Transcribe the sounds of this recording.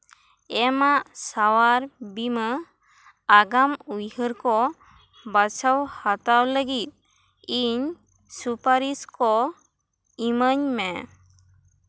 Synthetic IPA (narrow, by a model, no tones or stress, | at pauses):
ɛmaʔsawaɾbimə | aɡamujhəɾkɔ | bat͡ʃʰawhat̪awləɡit̪̚ | iɲ | supaɾiskɔ | iməɲmɛ